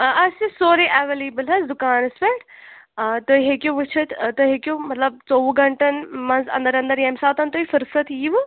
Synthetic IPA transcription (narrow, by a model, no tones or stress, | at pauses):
ɐsɨsoːɾiʔɛʋeliːbəlɦɐsd̪ukaːnɐspeʈː | t̪oːiɦekʲjoʋɨt͡ʃʰɐt̪t̪oɦekʲjũmɐt̪lɐb̚t͡soːʋuɡɐɳʈɐnmɐnzɐ̰̃nd̪ɐɾɐ̃nd̪əɾjemsaːt̪ɐnt̪oːifɨɾfɾɐt̪ʰiːʋ